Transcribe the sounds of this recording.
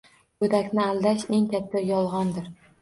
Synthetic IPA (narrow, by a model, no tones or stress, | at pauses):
bɵd̪akʲnɪald̪aʃe̞ŋkʲat̪ʰːajɒlˠʁɒnd̪ɪɾ